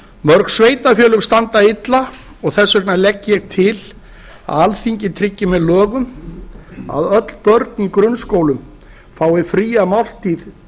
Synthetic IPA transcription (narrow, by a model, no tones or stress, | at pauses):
mœɾksveːjt̪afjœːlʏɣst̪ant̪aɪt̪la | ɔɣθɛsːœknalɛcːɪjɛɣt̪ʰɪl | a̰ðalθiɲcɪt̪ʰɾɪcːɪmɛðlœːɣʏm | a̰ðœt̪l̥pœɾt̪̚nikɾʏnskoːwlʏm | faːwɪfɾiːamawl̥t̪iːð